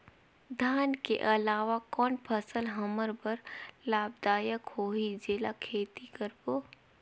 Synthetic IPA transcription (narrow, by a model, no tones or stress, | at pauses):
d̪ʱaːnkḛʔəlaːʋakɔːnpʰəsəlɦəməɾbəɾlaːbd̪aːjəkhoːɦid͡ʒeːlakʰeːt̪ikəɾboː